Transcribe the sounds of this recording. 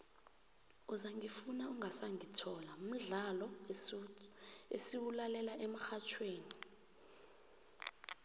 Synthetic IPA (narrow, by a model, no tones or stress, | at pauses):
uzaŋifunauŋasaŋitʰɔlaum̩ɮalɔ | esiwulalɛlaʔɛmaxat͡ʃʰweːni